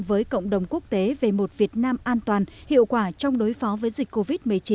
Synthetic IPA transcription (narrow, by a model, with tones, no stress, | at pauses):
vəː˨˦jkə̰˧˨wŋ͡mɗə˨˩wŋ͡mku˦˥ək̚t̪e˨˦ve˨˩mo˨˩t̚vi˨˩ət̚naː˧mʔaː˧nt̪waː˨˩nhḭ˧˨əwkwaː˧˩t͡ɕɔ˧wŋ͡mɗo˨˦jfɔ˨˦vəː˨˦jzï˨˩k̟ko˧vi˦˥t̚mɨ˨˩əjt͡ɕi˨˦